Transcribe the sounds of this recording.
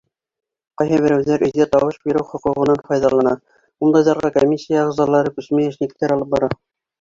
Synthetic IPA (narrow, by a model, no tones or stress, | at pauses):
qɑjhɑβɘ̆ɾɘwðæɾʔɵ̆zɡæt̪ɑwɤʃbiɾɘwχŏquʁɤ̆nɑnfɑjðɑlˠɑnɑ | unˠd̪ɑzɑɾʁɑkomʲisʲːijaʁzɑlˠɑɾɤkʉsmæjɘ̆ʃnɘ̆kt̪æɾɑlˠɤp̚bɑɾɑ